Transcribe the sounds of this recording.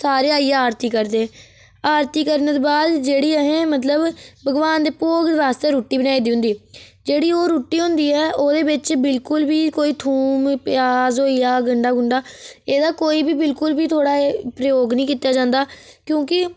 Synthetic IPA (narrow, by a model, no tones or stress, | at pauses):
saːɾeːaːiːaːɾt̪iːkəɾd̪eːɛː | aːɾt̪iːkəɾneːt̪oːbaːd̪d͡ʒeːɽiːəɦẽːmət̪ləbbəɡʋaːnd̪eːpoːɡ̪ɾaːst̪eːɾuːʈːiːbənaːiːd̪iːɦʊ̃nd̪iːd͡ʒeːɽiːoːɾuːʈːiːɦʊ̃nd̪iːɛːʔoːd̪eːbɪt͡ʃbɪlkʊlbiːkoːiːt̪ʰuːmpjaːzoːijaːɡəɳɖaːɡʊɳɖaːeːd̪aːkoːiːbiːbɪlkʊlbiːt̪ʰoːɽaːepɾəjoːɡnĩːkɪt̪ːaːd͡ʒãːnd̪aːkjõːkɪ